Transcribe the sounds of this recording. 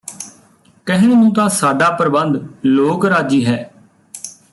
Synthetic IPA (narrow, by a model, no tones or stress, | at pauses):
kəɦɪnnũːt̪ãːsaːɖaːpəɾbənd̪loːkɾaːd͡ʒiːɦɛː